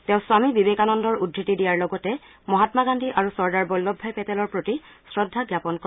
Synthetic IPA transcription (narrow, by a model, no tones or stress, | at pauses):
tɛ̃ʊ̃swamibibekanɔndɔɹudʱːitidijaɹlɔɡɔtɛ | mɔɦatmaɡandʱiʔaɹusɔɹdaɹbɔlːɔbʱːajpɛtɛlɔɹpɹoti | sɹɔdʱːaɡjapɔnkɔ